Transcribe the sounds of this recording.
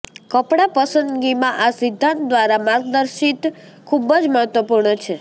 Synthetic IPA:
kəpɽapəsənd̪ɡimãʔasɪd̪ʱːãnt̪̚d̪ʋaɾamãɡ̚d̪əɾʃit̪ | kʰubəd͡ʒməɦət̪ʋəpuɾɳət͡ʃʰe

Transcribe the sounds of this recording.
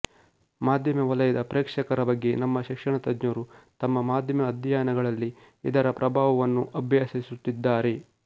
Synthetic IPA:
maːd̪ʱjɐmɐʋɐlɐjɐd̪ɐpɾeːkʂɐkɐɾɐbɐɡːe̞nɐmːɐʃikʂɐɳɐt̪ɐd̪ɲɐɾut̪ɐmːɐmaːd̪ʱjɐmɐːd̪ʱjaːnɐɡɐɭɐlːi | id̪ɐɾɐpɾɐbʱaːʋɐʋɐnːuʔɐbʱjaːsisut̪ːid̪ːaːɾe̞

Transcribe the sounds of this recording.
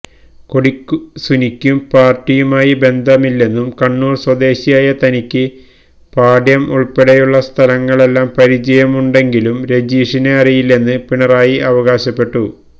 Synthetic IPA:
ko̞ɽikːusunikʲːumpaːrtːijumaːjibe̞nd̪ʱɐmilːe̞nːumkɐɳːuːrswɐd̪e̞ːɕijaːjɐt̪ɐnikʲːɨ | paːɖjɐmuɭpeɽejuɭːɐst̪ʰɐlɐŋːɐɭe̞lːaːmpɐɾid͡ʑɐjɐmuɳɖe̞ŋɡilumɾe̞d͡ʑiːʂineɐrijilːe̞nːɨpiɳɐraːjiʔɐʋɐɣaːɕɐpːe̞ʈːu

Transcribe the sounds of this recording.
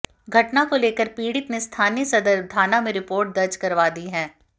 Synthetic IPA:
ɡʱɐʈnakoleːkəɾpiːɽɪt̪nest̪ʰaːnijəsɐd̪əɾd̪ʱaːnamẽɾɪpoːɾʈ̚d̪ɐɾd͡ʒkɐɾʋaːd̪iɦɛ̃ː

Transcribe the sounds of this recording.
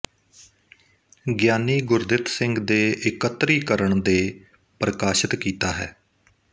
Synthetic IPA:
ɡjaːniːɡʊɾd̪ɪt̪sɪ̃ŋɡd̪eːʔɪkət̪ːɾiːkəɾəɳd̪eː | pɾəkaːʃət̪kiːt̪aːɦɛ̰ː

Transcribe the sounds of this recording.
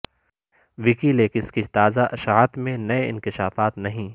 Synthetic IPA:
ʋɪkileːkɪskit̪aːzaʔɐʃaːt̪mẽnɐeɪ̰̃nkɪʃaːfaːt̪nɐɦĩː

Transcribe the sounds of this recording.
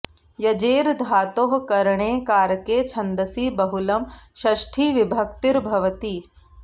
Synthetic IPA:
jɐd͡ʒeːɾd̪ʱaːt̪oːɦkɐɾɳ̃eːkaːɾkeːt͡ʃʰɐnd̪əsiːbɐɦulɐmʃɐʃʈʰiːʋibʱɐk̚t̪iɾbʱɐʋət̪iː

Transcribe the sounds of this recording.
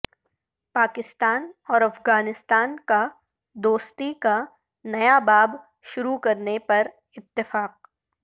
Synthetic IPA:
paːkɪst̪aːnɔːɾɐfɣaːnɪst̪aːnka | d̪oːst̪ika | nɐjabaːb | ʃʊɾukɐɾnepɐɾ | ɪt̪ːɪfaːq̚

